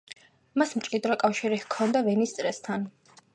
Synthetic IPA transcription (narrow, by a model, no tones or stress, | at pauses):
masmt͡ʃʼid̪ɾɔkʼafʃiɾihkʰɔnd̪avɛnist̪sʼɾɛst̪ʰan